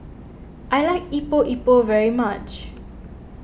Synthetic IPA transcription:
ʔajlaɪkipoʔipovɛɹimat͡ʃ

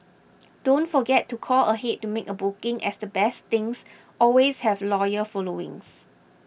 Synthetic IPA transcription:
d̥õntfɔɡɛtːukʰɔləɦetːumekəbukɪ̃ŋʔɛ̰sdəbɛst̪ɪ̃ŋs | ʔɔlweshɛvlɔjəfɔloɪ̰̃ŋs

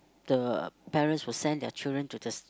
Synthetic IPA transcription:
d̥əpɛɹə̃ntswɪlsɛ̃ndɛ̰t͡ʃildɹə̃ntudəs

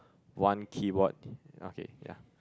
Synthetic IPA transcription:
wãnkʰibɔt̚o̰kḛja̰

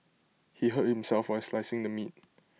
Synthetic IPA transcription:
hiɦət̚hɪ̃msɛlfwaɪslaɪsɪ̃ŋdəmit̚

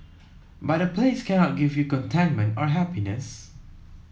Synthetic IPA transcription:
bat̚dəpʰleskʰɛnɔt̚ɡivjukɔ̃ntʰɛ̃nmə̃ntɔɹɦɛpinəs

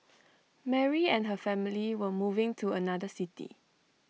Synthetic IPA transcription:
mɛɹiɛ̃nɦəfɛmiliwəmuvɪ̃ŋtʰuənadəsitḭ

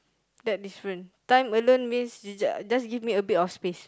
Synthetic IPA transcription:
dɛt̚isɹɛ̃ntãj̃məlõnmĩnsd͡ʒd͡ʒasɡivmiəbitɔfspes

